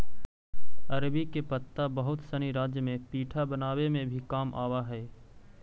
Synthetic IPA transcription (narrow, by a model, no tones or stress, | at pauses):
ɐɾbikepət̪ːabɐɦʊt̪səniɾaːd͡ʒjəmẽpiːʈʰabənaːwemẽbʱikaːmʔaːwaɦɛː